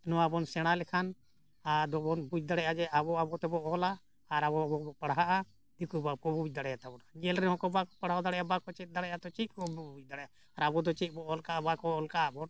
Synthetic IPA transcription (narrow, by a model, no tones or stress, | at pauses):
nɔaabɔnsɛɽ̃alɛkʰan | ad̪ɔbɔnbud͡ʒ̚d̪aɽɛjʔad͡ʒɛʔabɔabɔt̪ɛbɔʔɦɔlaː | ɾabɔbɔbɔpaɽɦaʔa | d̪ikubakɔbubuc̚ˀd̪aɽɛjat̪abɔɽad͡ʒɛlɾɛnɦɔ̃kɔbakɔpaɽɦad̪aɽɛjabakɔt͡ʃɛt̪̚ˀd̪aɽɛjat̪ɔt͡ʃit̪̚kɔbɔbuc̚d̪aɽɛʔaː | ɾabɔd̪ɔt͡ʃɛt̪̚ˀbɔʔɔlkaʔabakɔɔlkabɔn